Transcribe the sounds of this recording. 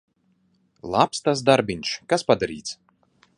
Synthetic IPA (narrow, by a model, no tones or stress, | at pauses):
lˠapst̪asd̪aɾbʲiɲʲʃkaspad̪aɾḭːt̪s